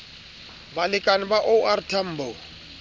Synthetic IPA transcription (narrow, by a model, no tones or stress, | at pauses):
balɪkʼanɪbaʔɔaɾtʰam̩ːbɔ